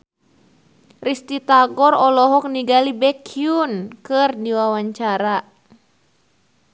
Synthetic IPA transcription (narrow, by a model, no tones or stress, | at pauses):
rist̪it̪aɡɔrɔlɔɦɔk̚niɡalibɛkʰiunkɨrdiwawaɲt͡ʃaɾa